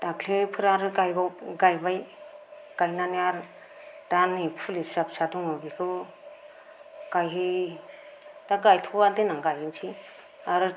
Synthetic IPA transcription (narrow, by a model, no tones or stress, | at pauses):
d̥aklepʰɯɾaɾɯɡajbaɡajbaj | ɡ̥ajnaniaɾ | d̥anipʰulipsap̚saduŋabikʰɯ | kajɦɯj | d̥aɡajtʰualdenaŋɡajinsʰi | aɾɯ